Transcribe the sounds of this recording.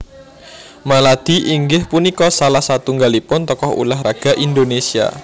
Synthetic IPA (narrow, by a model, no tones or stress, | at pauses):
malad̪̥i̤ʔiŋɡɪhpunikɔsalahsat̪uŋɡalipʊnt̪ɔkɔhṵlaɦraɡ̥a̤ʔind̪onesia̰